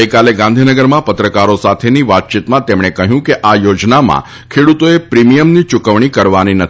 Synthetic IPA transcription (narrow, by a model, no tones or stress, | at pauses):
əjkaleɡãnd̪ʱinəɡəɾmãpət̪ɾəkaɾosat̪ʰeniʋat̪̚t͡ʃit̪mãt̪emɳ̃ekəɦjũkeʔajod͡ʒnamã̰ | kʰeɽut̪oepɾimijəmnit͡ʃʊkəʋɳ̃ikəɾʋaninət̪